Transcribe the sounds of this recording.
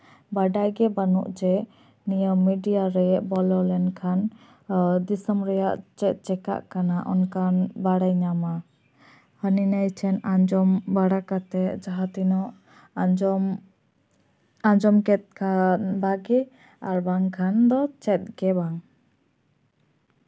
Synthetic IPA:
baɖajɡɛbanṵʔd͡ʒɛ | nijəmːiɖijaɾɛɛʔbɔlɔlɛnkʰan | d̪isəmɾɛjaʔt͡ʃɛt̪̚ˀt͡ʃɛka̰ʔkanaʔɔnkʰanbaɽajɲama | həninəjt͡ʃʰɛnad͡ʒɔmbaɽakat̪ɛd͡ʒaɦat̪inɔʔ | ad͡ʒɔmkɛt̪̚kʰanbaɡɛ | aɾbaŋkʰand̪ɔt͡ʃɛt̪̚ɡɛbaŋ

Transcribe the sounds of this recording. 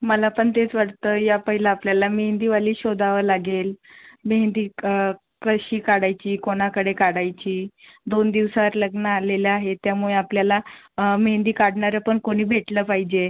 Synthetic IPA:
məlapəɳt̪et͡sʋaɽt̪əːjapəɦilaːpljalameɦnd̪iʋaliːɕod̪aʋəlaɡelmeɦnd̪iː | kəɕiːkaɽajt͡ɕiːkoɽ̃akəɽekaɽajt͡ɕiːd̪ond̪iʋsaʋəɾləɡnəaleleaɦet̪jamuɭeapljala | mend̪iːkaɽɳaɾjapəɳkoɽ̃iːbʱeʈləːpaɦid͡ʑe

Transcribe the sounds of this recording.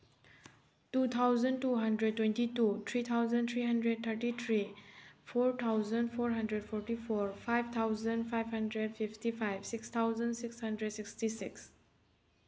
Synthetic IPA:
tut̪ʰawzəntuɦɐndɾed̚tːwɛ̃ntitut̪ʰɾit̪ʰawzə̃nt̪ʰɾiɦandɾed̚t̪ʰəɾʈit̪ʰɾipʰoɾt̪ʰawzənpʰoɾɦɐ̃ndɾed̚pʰɔɾʈipʰoɾpʰajbt̪ʰawzəndpʰajbhɐndɾed̚pʰiftipʰajbsikst̪ʰawzə̃nsikshɐ̃ndɾɛdsikstisiks

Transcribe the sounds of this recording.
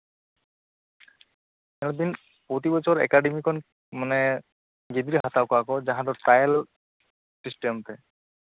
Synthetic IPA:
t̪ɛlɔd̪in | pot̪̬ibɔt͡ɕʰɔɔɹɛ̰kaɖemikʰɔn | manɛ | ɡed̪ɾiɦat̪awkakɔd͡ʑãɦãd̪ɔʈajl | ʈisʈɔmt̪ɛ

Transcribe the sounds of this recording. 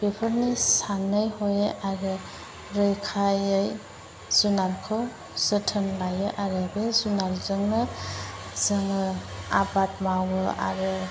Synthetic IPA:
pepʰəɾnisanɯjhojeʔaɾɯ | ɾɯjkʰajɯj | z̥unalkʰow | sɯtʰənlajɯʔaɾɯbezunalzɯŋnɯ | zɯŋɯa̰bat̚mawɯʔa̰ɾɯ

